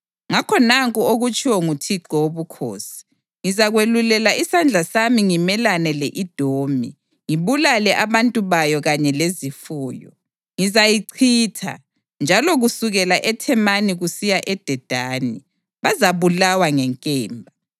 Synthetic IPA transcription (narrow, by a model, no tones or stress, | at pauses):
ŋakʰɔnaŋkʼuoɣut͡ʃʼiwɔŋutʰiǃɔwoβukʰo̰ːsi̥ | ŋizaɣwelulɛlaisand͡ɮʱasamiŋimɛlanɛlɛʔid̥ʱoːmḭ | ŋiβulalɛʔaβantʼuβajɔɣaɲɛlezifuːjɔ̰ | ŋizajiǀʰiːtʰa̰ | nd͡ʒʱalɔɣusuɣɛlaʔɛtʰɛmaniɣusijaʔɛd̥ʱɛd̥ʱaːnḭ | βazaβulawaŋɛŋkʼɛːmbʱa